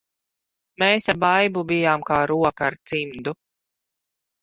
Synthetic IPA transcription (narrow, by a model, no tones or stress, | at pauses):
meːsabajbubijaːmkaːɾuɔkaːɾt̪simd̪u